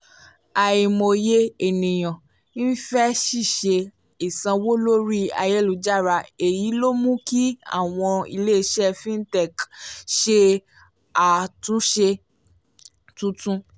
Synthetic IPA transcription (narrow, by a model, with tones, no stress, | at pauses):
a˧i˧mo˧je˦e˨nĩ˨j̃ã˨ | ĩ˦fɛ˦ʃi˦˨ʃe˧ | i˨sã˧wo˦lo˦ɾi˦a̰˧je˦lu˨˧˦d͡ʒa˦˨ɾa˧e˨ji˨˦lo˦mũ˦ki˦a̰˦˨w̃ɔ̃˧ḭ˧le˦˧˦ʃɛ˦fĩ˦n˦tɛ˦˨kʃe˧ | a˨tũ˨˦ʃe˧ | tũ˨˦tũ˦